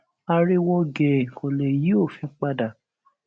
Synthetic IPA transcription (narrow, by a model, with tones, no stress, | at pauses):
a˧ɾi˦wɔ˧ɡɛ˨ko˨le˨ji˨˦o˦˨fĩ˨˦k͡pa˧da˨